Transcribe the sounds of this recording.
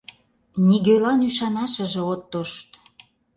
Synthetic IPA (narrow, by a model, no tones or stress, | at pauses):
niɣølɑnyʃɑnɑʃə̆ʒĕot̪ːoʃt̪